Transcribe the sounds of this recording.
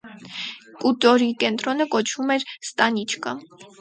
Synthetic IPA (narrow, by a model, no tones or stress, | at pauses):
kʼut̪ɔɾikɛnt̪ɾɔnəkɔt͡ʃʰvumɛɾst̪ɑnit͡ʃʰkʰə